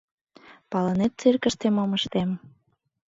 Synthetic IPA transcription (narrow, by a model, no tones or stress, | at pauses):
pɑlənet̪̚t͡serkəʃt̪emoməʃt̪em